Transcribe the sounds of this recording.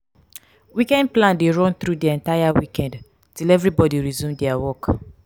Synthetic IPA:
wikɛ̃nd̚plãndeɹɔ̃nt̪ɹudiɛ̃ntajawikɛ̃nd | tilɛvɹibɔdiɹizũmdɛawɔk

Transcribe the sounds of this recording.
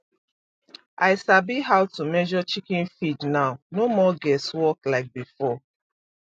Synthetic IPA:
ʔaɪsabiɦaʊtumɛʒɔt͡ʃikĩnfidnaʊnomɔɡɛswɔklaɪk̚bifɔ

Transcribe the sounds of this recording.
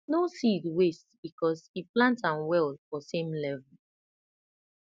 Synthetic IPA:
nosidwestbikɔsiplãntãnwɛldfɔsẽmlɛvɛl̩

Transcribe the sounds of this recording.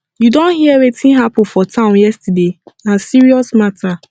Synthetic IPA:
judõnhiwetʰĩnɦapnfɔtʰãʊ̃njɛstadeãsiɹiɔsmatʰa

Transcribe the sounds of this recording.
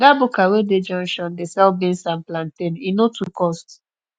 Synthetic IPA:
ɡabukaweded͡ʒɔ̃ŋʃɔ̃ndesɛlbĩnsãnplãnteninotʰukɔst

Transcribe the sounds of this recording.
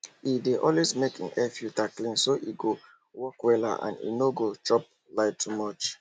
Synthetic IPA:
ideʔɔlwesmekḭ̃nɛfjutaklĩnsoʔiɡo | wɔkwɛla̰ʔã̰nḭnoɡot͡ʃɔp̚ | laɪtʰːumɔt͡ʃ

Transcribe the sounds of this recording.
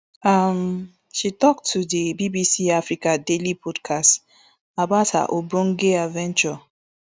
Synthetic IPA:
am | ʃitɔk̚tʰːudibibisiafɾikadelipʰɔdkʰast | abaʊtha̰ʔobɾoŋ̩ɡeavɛ̃nt͡ʃɔ

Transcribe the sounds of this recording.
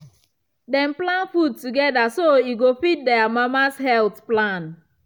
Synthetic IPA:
dɛ̃nplãnfud̚tuɡɛdasoiɡofit̚dɛamamashɛlθplãn

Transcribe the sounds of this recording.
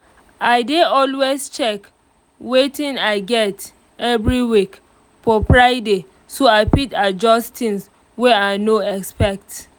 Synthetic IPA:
aɪdeɔlwest͡ʃɛk | wetĩnaɪɡɛt | ɛvɹiwik | fɔfɹaɪde | soaɪpitad͡ʒɔstĩns | wɛaɪnoɛkspɛk̚t

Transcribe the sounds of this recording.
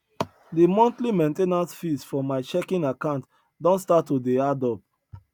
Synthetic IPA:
dimɔ̃ntlimẽntenasfisfɔmaɪt͡ʃɛkĩnakãʊ̃nt | dɔ̃ntstatːodeadɔp̚

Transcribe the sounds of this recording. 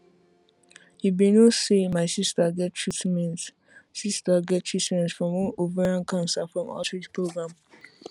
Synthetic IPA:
hibenosemaɪsistaɡɛt̚tʰɹitmɛ̃nt | sistaɡɛt̚tʰɹitmɛ̃ntfɹɔ̃mwɔ̃novaɹãnkʰãnsafɹɔ̃mʔa̰tɹid͡ʒpɹoɡɹãm

